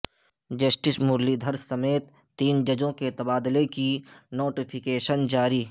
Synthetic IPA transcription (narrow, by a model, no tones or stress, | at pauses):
d͡ʒəsʈɪsmʊɾlid̪ʱəɾsɐmeːt̪ːiːnd͡ʒɐd͡ʒõket̪ɐbaːd̪lekinoːʈɪpʰɪkeːʃənd͡ʒaːɾiː